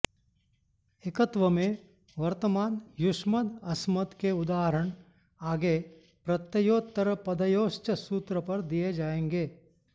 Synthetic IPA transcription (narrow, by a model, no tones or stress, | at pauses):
ekət̪ʋəmẽ | ʋɐɾt̪əmaːnjʊʃməd̪ɐsmət̪keʊd̪aːɦəɾəɳ̃ | aːɡe | pɾɐt̪jəjoːt̪ːəɾəpɐd̪əjoːʃt͡ʃəsuːt̪ɾəpɐɾd̪ijed͡ʒaːẽːŋɡeː